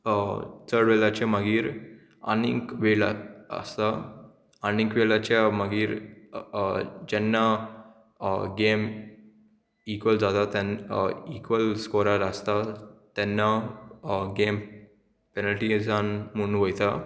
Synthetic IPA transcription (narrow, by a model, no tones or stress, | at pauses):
t̪ʰəɾɖʋɛlat͡ɕaməɡiːɾ | a̰nḭ̃kʋela̰ə̰st̪a | anĩkʋelat͡ɕaməɡiːɾ | d͡ʑɛnːa | ɡem | ikʋəld͡zat̪at̪ɛnikʋəlskɔɾaɾəst̪at̪ɛnːa | ɡem | pɛnəlʈizanmunːʋəjt̪a